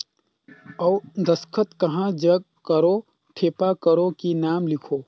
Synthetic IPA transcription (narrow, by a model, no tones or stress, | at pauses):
ɔwd̪ʱəskʰət̪kɐɦãd͡ʒəɡ̚ | kəɾo | ʈʰeːpakəɾokinaːmlɪkʰoː